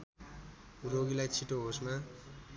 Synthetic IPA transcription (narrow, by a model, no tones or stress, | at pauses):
roɡilajt͡sʰiʈoɦosma